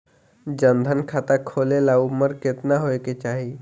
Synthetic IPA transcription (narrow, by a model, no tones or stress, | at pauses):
d͡ʒənd̪ʱənkʰaːt̪akʰoːlelaʊməɾkɪt̪naɦoeket͡ʃaːɦi